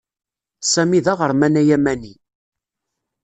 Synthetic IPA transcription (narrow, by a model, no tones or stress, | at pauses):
sæmiðɑʁəɾmænæjæmæni